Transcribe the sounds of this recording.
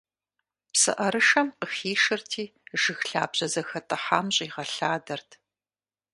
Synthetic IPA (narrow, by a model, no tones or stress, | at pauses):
psɨ̰ʔɐɾɨʃɐmqəxiːʃɨrtʰiːʒɨxɬa̰ːbʑɐzɐxɐtʼɐħaːmɕʼiːʁɐɬaːdɐrtʰ